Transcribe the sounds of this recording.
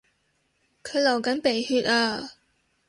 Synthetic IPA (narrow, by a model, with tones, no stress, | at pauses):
kʰɵ˨˧ɥlɐ˨˩wkɐ˨˥npe˨˩jhyː˧t̚aː˧